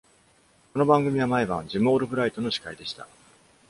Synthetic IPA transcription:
ko̞no̞bãŋɡɯ̟mʲiβamaebãɲd͡ʑimo̞ːɾɯ̟bɯ̟ɾait̪o̞no̞ɕi̥kaid̪e̞ɕi̥t̪a̰

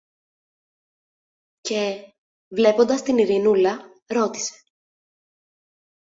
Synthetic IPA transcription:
ce̞ | vle̞po̞nd̪ɐst̪iniɾinulɐ | ɾo̞t̪i̥se̞̥

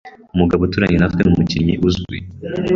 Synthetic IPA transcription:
umuɡaβotuːɾaɲenatkwenumucimɲiʔuzɡḭ

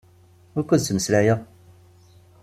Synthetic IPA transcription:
ʊɾkʷːæt͡sməslæja

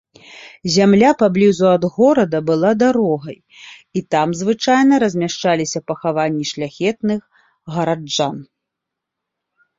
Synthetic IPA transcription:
zʲamlʲapablʲizuɐd̪ɣɔɾɐd̪ɐbɨlˠad̪aɾɔɣɐj | it̪amzvɨt͡ʂajnɐɾɐzʲmʲaʂt͡ʂalʲisʲɐpɐxavanʲːiʂlʲaxʲɛt̪nɨx | ɣɐɾad͡ʐd͡ʐan

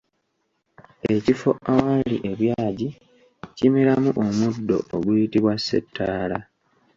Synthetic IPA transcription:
e̞cifo̞ʔawaliʔe̞βjaːɟi | cimeɾamuʔomudːo̞̰ʔoɡwuitiβwasːe̞̰tʰːaːla

